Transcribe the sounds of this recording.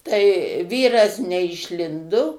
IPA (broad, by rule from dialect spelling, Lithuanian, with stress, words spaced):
tɐɪ ˈʋʲiːrɐs nʲɛɪʃʲˈlʲɪndʊ